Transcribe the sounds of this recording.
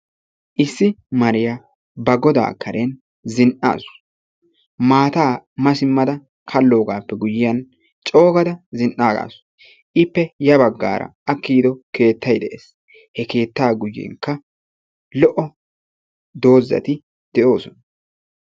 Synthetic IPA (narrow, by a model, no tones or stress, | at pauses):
ʔɪsːɪmɐɾɪja | bɐɡɔd̪a̰ːkʰːɐɾʔen | zɪnʔa̰ːsʊ̥ | maːt̪aːmɐsɪmːɐd̪ɐ | kʰɐlːo̞ːɡaːpːɛɡʊjɪjɐn | t͡ʃʼo̞ːɡɐd̪ɐzɪnʔaːɡa̰ːs | ʔɪpːɛjɐbɐɡːa̰ːɾɐ̰ɐkːiːd̪ɔke̞ːt̪ːɐjd̪ɛʔḛːs | hɛke̞ːt̪ːaːɡʊjːḛːŋkːɐ | lɔʔɔ | d̪o̞ːzːɐ̰t̪ɪ | d̪̥ɛʔo̞ːsɔnɐ